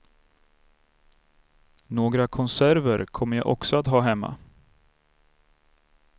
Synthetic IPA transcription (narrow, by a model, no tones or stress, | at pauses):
noːɡɾakʰɔnsæɾvəɾkʰɔmːəɾjaʔɔ̰ksɔat̪ɦɑːɦɛmːa̰